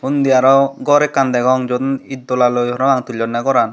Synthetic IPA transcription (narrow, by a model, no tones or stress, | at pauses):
und̪ijaɾɔɡɔɾɛkːand̪ɛɡɔŋd͡ʒɔd̪nit̪̚d̪ɔlalojɔɾɔaŋt̪uʎɔnːaɡɔɾan